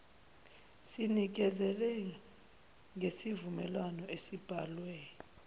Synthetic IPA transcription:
sinik̬ɛzɛlɛ | ŋʱesivumɛlwanɔʔesib̥ʱalwɛ

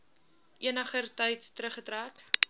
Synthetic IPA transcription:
ʔiənəχərtəjtːəɾəχətræːk

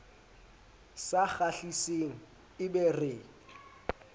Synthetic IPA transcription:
saχaɬiseŋ̩ | ɪbɛrɪ

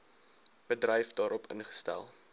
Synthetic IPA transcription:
b̥ədrəjfdɑːɾɔpʰə̰nχə̥stæ̰lˠ

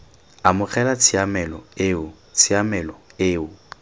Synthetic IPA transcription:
amʊχʰɛlat͡sʰiamɛlɔeʊ | t͡sʰiamɛlɔeːʊ

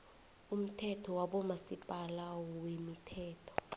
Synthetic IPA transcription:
um̩tʰɛtʰɔwaɓɔmasipʼalawɔwemitʰɛːtʰɔ̥

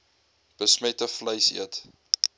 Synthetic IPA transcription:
b̥əsmɛtəfləjsḭət

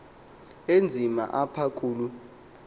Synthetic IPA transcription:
end͡zʱima̰ʔapʰak̬ʼuːlu

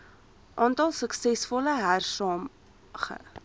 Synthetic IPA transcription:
ʔɑːntɑlˠsəksɛsfɔləɦærsɑːm | χə̰

